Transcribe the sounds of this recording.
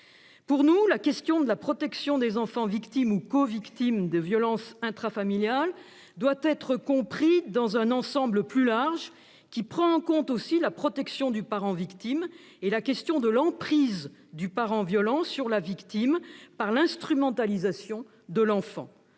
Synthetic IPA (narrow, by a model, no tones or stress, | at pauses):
puʁnulakʲɛst̪jɔ̃d̪əlapχɔt̪ɛksjɔ̃d̪ezɑ̃fɑ̃vikt̪imukɔvikt̪imd̪əvjɔlɑ̃sɛ̃t̪χafamiljal | d̪wat̪ɛt̪χəkɔ̃pχid̪ɑ̃zɛ̃nɑ̃sɑ̃bləplylaʁʒ | kʲipχɑ̃ːkɔ̃t̪osilapχɔt̪ɛksjɔ̃d̪ypaʁɑ̃vikt̪im | elakʲɛst̪jɔ̃d̪əlɑ̃pχizd̪ypaʁɑ̃vjɔlɑ̃syʁlavikt̪impaʁlɛ̃st̪χymɑ̃t̪alizasjɔ̃ | d̪əlɑ̃fɑ̰̃